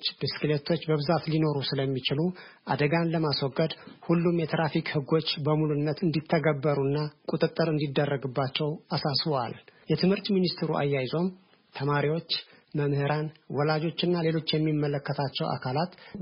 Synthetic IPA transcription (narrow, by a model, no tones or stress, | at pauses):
t͡ʃːbɨskɨlet̪ʰo̞t͡ʃːbəβɨzat̪lino̞ɾusɨləmːit͡ʃɪluʔa̰d̪əɡanləmaswɔɡːəd̪hulːumjɛt̪ʰɾafikhɨɡo̞t͡ʃːbəmulunːət̪ʰɨnd̪it̪ʰːəɡəbːəɾunːakʼut̪ʼɨt̪ʼːɨɾɨnd̪id̪ːərːəɡɨbːat͡ʃːɛwasasβwa̰ljɛt̪ʰɨmhɨɾt̪minist̪ɾuʔa̰jːajzo̞m | t̪ʰəmaɾiwo̞t͡ʃː | məmhɨɾanwɔlad͡ʒo̞t͡ʃːɨnːale̞lo̞t͡ʃːjɛmːimːələkːət̪ʰat͡ʃːɛwʔa̰kʰalat̪